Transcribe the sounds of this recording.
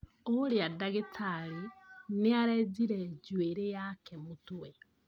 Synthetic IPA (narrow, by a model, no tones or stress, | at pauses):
oɾeadaɣetʰaɾineaɾɛziɾɛd͡ʒweɾejakɛmotuɛ